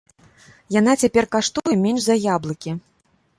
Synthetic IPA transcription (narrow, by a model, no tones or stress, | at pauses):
jan̪at͡sʲapʲɛrkaʂt̪ujɛmʲɛnʐzɐjablˠɐkʲi